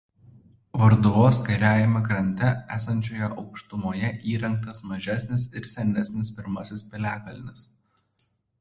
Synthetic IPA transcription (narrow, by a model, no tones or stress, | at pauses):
ʋɐɾd̪ʊʋoːskɐɪɾʲæːjɪmɐkɾɐnʲt̪ʲɛæ̰ːsɐnʲt͡ʃʲoːjɛʔɒʊkʃt̪ʊmoːjɛʔiːɾɐŋk̚t̪ɐsmɐʒʲæˑsʲnʲɪs̬ɪɾsʲɛnʲɛsʲnʲɪspʲɪɾmɐsʲɪspʲɪlʲæːkɐlʲnʲɪs